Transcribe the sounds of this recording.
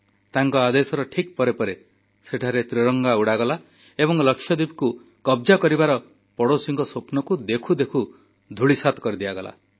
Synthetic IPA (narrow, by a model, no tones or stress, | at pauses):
t̪aŋkɔad̪esɔɾɔʈʰik̚pɔɾepɔɾe | seʈʰaɾet̪ɾiɾɔŋɡauɽaɡɔla | eβɔŋlɔksʰjɔd̪ibku | kɔbd͡ʒakɔɾibaɾɔ | pɔɽosiŋɡɔsopnɔkud̪ekʰud̪ekʰu | d̪ʱuɭisat̪ɔ̥kɔɾid̪iaɡɔla̰